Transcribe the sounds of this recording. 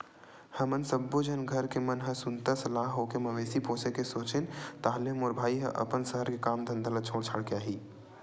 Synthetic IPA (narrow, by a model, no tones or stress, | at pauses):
həmənsəbːod͡ʒənɡʱəɾkemənɦə̃sunt̪əsəlaɦɦokeməʋesiposekesot͡ʃent̪aɦleɦmoɾbʱaːiɦə̰̃ʔə̰pənsəɦəɾkekamd̪ʱənd̪ələt͡ʃʰoɽt͡ʃʰəɽkeaɦi